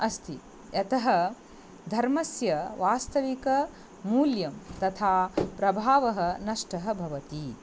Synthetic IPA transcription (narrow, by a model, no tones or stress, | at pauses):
ɐst̪ʰi | ɐt̪ɐɦɐ | d̪ʱɐɾmɐsjɐʋaːst̪ɐʋikɐ | muːljɐmt̪ɐt̪ʰaːpɾɐbʱaːʋɐɦɐ̆nɐʂʈɐɦɐbʱɐʋɐt̪i